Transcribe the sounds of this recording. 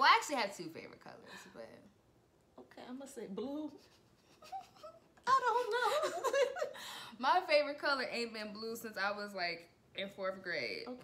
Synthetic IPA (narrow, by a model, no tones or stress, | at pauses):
waæk̚t͡ʃʉl̩ˠiɨv̥tʰʉfḛɪvə˞ɨ̰t̚kʰʌ̰lˠə̰˞z̥bʌ̰t̚ | oʊkʰeɪãɪ̃mʌseɪblu | aɪɾõʊ̃nːoʊ | maɪfeɪvə˞ɨt̚kʰʌlˠə˞ʔẽɪ̃nbɪ̃nblusɪ̃nsaɪwʌzlaɪk | ɨ̃nfɔɹvəɡɹeɪ̥o